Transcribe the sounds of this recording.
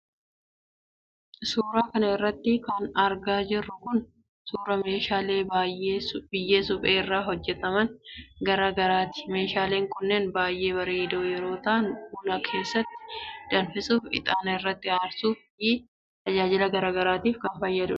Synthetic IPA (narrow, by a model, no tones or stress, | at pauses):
suːɾaːkɐnɐɪrːɐt̪ːɪkɐnɐɾɡaːd͡ʒɪrːʊkʊn | suːɾɐme̞ːʃaːleːajebɪjːe̞ːsʊbʼeːɪrːaːɦɔd͡ʒːɛt̪ɐmɐnɡɐɾaːɡɐɾaːt̪ɪ̥me̞ːʃaːle̞ːŋkʊnːenbaːjʔe̞ːβɐɾeːd̪oːjɛɾo̞ːt̪ɐʔɐnbuːnɐkʰe̞ːsːɐt̪ːɪ̥d̪̥ɐnfɪsʼuːfɪ̰t̪ʼaːnɐɪrːɐt̪ːɪaːɾsuːfji | t̪ɐd͡ʒaːd͡ʒɪlɐɡɐɾaːɡɐɾaːt̪iːfkɐnfɐjːɐd̪ʊ